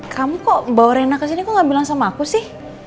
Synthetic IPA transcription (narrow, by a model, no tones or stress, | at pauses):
kʰamukɔbawɾɛnakəs̬inikuŋɡaʔbilaŋsamaːkusɪh